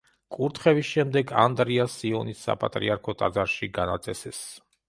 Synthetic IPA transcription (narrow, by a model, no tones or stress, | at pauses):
kʼuɾt̪ʰχɛvisʃɛmd̪ɛɡa̰nd̪ɾiasːiɔnisːa̰pʼa̰t̪ʼɾḭaɾkʰɔt̪ʼad̪zaɾʃiɡanat̪sʼɛsɛs